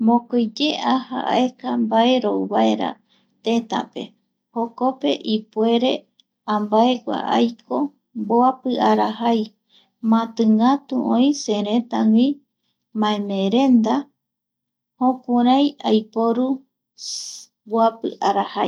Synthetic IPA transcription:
mõkojd͡ʒeʔaha̰ʔa̰e̞kambae̞ɾowβaeɾa̰ | t̪ẽt̪a̰pe̞̰ | hokope̞̰ʔipweɾe̞ | ãmbaeɡʷa̰ʔa̰jkʰo̞ | mboapɨʔaɾahaj | mãt̪ɨŋat̪uʔõj̃seɾẽt̪aŋĩ | mãẽmẽɾẽ̞nd̪a | hõkuɾãjajpoɾu | boapɨ̰ʔaɾahaj

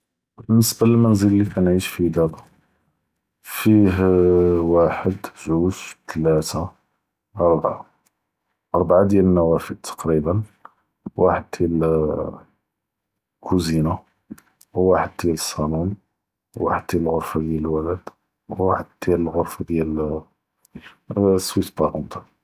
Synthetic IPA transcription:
bənːəsbaləlmænzəllːikænʕiʃfid̪æba | fiɦwaħəd̪ʒuʃt̪læt̪a | ɑɾˤbʕa | ʔɑɾˤbʕad̪jælənːæwæfəd̪̚t̪ʰɑ̥qɾibən | waħəd̪̚d̪jæl | kuzina | wwaħəd̪̚d̪jæləsˤːɑnun | wwaħəd̪̚jæləlɣʊɾfad̪jæləlwæləd̪ | wːaħəd̪̚d̪jæləlɣʊɾfad̪jæl | swit̪bɑɾont̪ɑ

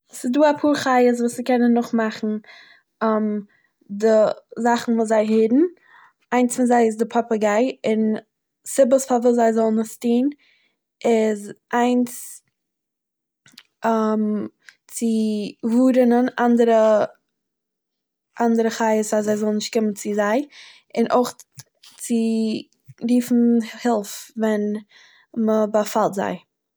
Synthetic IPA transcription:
sɪduːapʰuːɾχaɪəs̬vuːsɪkɛnənːʊχmaχn̩ | am | dɪzaχn̩vuːszaɪɦɪdn̩ | aɪnsfɪnzaɪɪs̬dɪpʰɔpəɡaɪɪn | sɪbəsfavuːzaɪzɔlˠnɪstiːn | ɪzʔaɪns | am | t͡sɪvuːɾənənandəɾə | ʔandəɾəχaɪəsaszaɪzɔlˠnɪʃt̚kɪmənt͡sɪzaɪ | ɪnʔoɪχ | t͡sɪ | ɾiːfn̩hɪlˠfvɛn | məbafalˠtza̰ɪ

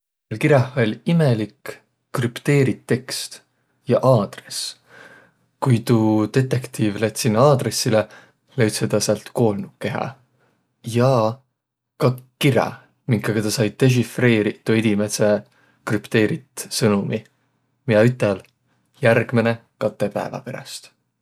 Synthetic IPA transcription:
lkiɾɑho̞lʲimelikː | rypt̪e̞ːɾit̪ːe̞kst̪ | jɑʔɑːd̪̥re̞s | kujt̪ut̪e̞t̪ːe̞kt̪iːvlet̪ʲsinːɑːd̪re̞sːile | lejt̪sed̪̥ɑseɑlt̪ko̞ːlnukːe̞ɦɑ̰ | jɑ | kɑkːiɾɑ̰ | mikːɑɡ̥ɑt̪ɑsɑjd̪̥e̞ʒ̬ifre̞ːɾit̪ːued̪̥ʲimese | krypt̪e̞ːɾit̪sɤnumi | miɑyt̪ːˑel | jærɡ̥menekɑt̪ːˑepæ̰evɑ̰pe̞ɾɑ̰st̪

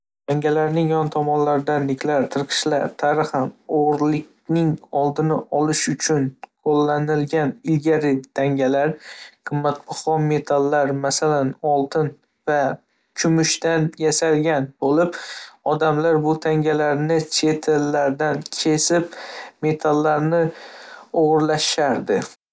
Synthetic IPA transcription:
t̪ʰaŋɡʲalaɾnɪŋjɒnt̪ʰɒmɒnlaɾd̪anːɪkʲʰlaɾt̪ʰɨɾqʰɨ̥ʃlaɾt̪ʰaɾɪχamoʁɾlɪkʲnɪŋɒlˠd̪ɪnɪʔɒlɪʃʊt͡ʃʰʊnqʰolːanɪlɡʲanɪlɡʲaɾɪt̪ʰaŋʲalaɾqʰɨmːat̪̚bɑχɒme̞t̪ʰalːaɾmasalanɒlˠt̪ʰɪn | va | kʰʊmʊʃt̪anjasalɡʲanbolɪpɒd̪amlaɾbʊt̪ʰaŋɡʲalaɾnɪt͡ʃʰe̞t̪ʰelːaɾd̪ankʲʰe̞sɪpme̞t̪ʰalːaɾnɪ | oʁʊɾlaʃaɾd̪ɪ

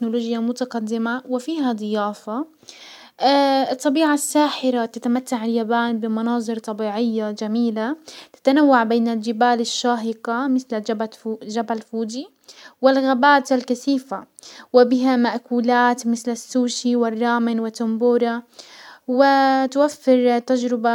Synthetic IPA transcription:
noloːd͡ʒjamʊt̪aɡɑd̪ːɪmawɪfiːɦad̪ˤɨjaːfa | ɨt̪ˤːɑbiːʕasːaːħɪɾat̪at̪amat̪ːaʕɪljabaːnbɪmɑnɑːðˤɨɾt̪ˤɑbiːʕɪjːad͡ʒamiːlat̪ɪ̥t̪anawːaʕbeːnɪld͡ʒɪbaːlɪʃːaːɦɪqɑmɪθlad͡ʒbad͡ʒabalfuːd͡ʒi | wɪlɣabaːt̪alkaθiːfawɪbɪɦamaʔkuːlaːt̪mɪθlasːuːʃiwɪrˤːɑːmɪnwɪt̪ːʊmbuːɾˤɑ | wɪt̪wafːɪɾˤt̪ːad͡ʒɾɪba

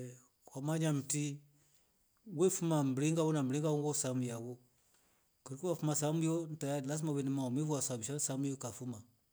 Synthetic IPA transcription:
wamaɲam̩ti | wefumam̩bɾiŋɡawonambɾiŋɡawoŋɡosamujawo | koɾkiwafumasamujontajalasimaβenimamifuasabiʃasamujokafuma

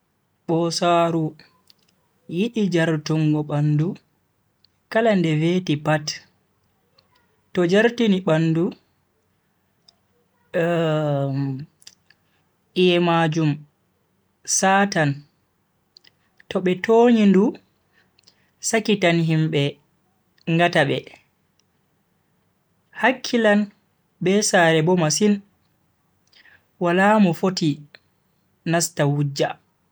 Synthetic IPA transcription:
ɓɔsaːɾu | jiɗid͡ʒaɾtuŋɡɔɓandu | kalandɛveːtipat | tɔd͡ʒaɾtiniɓanːdu | ʔijɛmad͡ʒum | saːtan | tɔɓɛtoːɲindu | sakitanɦimɓɛ | ŋɡataɓɛ | hakʰːilan | ɓɛsaɾɛbɔmasin | walamɔfoti | nastawud͡ʒːa

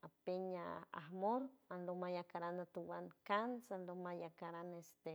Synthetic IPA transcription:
apeɲa̰a̰hmoɾanlomajakaɾanat̪uwankansanlomajakaɾanest̪e

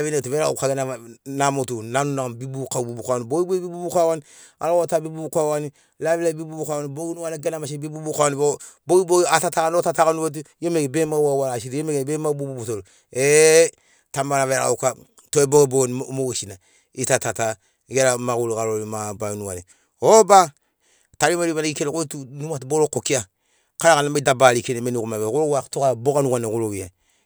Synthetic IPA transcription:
avinetumeɾa̰ukaɡenanamutunanunaŋbibukabubukawaniboibebibubukawani | a̰lawotabibubukawani | lavilabibubukawaniboɡinuwaniɡenamaʃibibubukawaniboboiboatatakanotatakanuwot̬ijomeɡibemawawalaʃiɾiomeɡebemabobubutol | e | tamaɾavea̰uka | tobobonmoweʃina | itatata | ɡeɾamakulkaɾolimabanuwa̰ne | oba | taɾimaɾiβaneɡikenekotunumatboɾokokia | kaɾakanamdabalikenemenikumaβekuɾowatokabokanukanekulowija

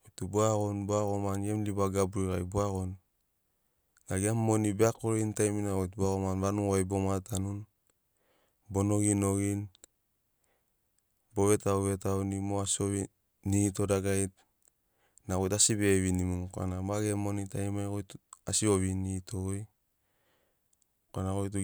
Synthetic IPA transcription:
ojtuboaɡonboaɣomanjemliβaɡabuɾikajboaɣon | aɡiamːo̞nibeakoɾeintajminaɣojtbuaɣomanɾanuwajbo̞matanun | bo̞no̞ɡino̞ɡin | bo̞βe̞tauβe̞tawnimoasioβi | nito̞daɡajt̚ | nakojtasibeβinimumka̰nabaɡemo̞nitajmajkojtasio̞βinitoj | koanakojt̬u

